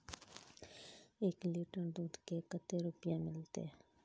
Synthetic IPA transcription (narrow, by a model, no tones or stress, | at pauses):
eːkliːʈəɾd̪uːt̪kekət̪ːeɾʊpjãmɪlt̪ḛ